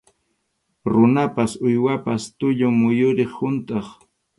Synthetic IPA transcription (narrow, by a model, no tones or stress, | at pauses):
ɾʊnapasʊjwapast̪ʊʎʊŋmʊjʊɾeχhʊnt̪ʼɑχ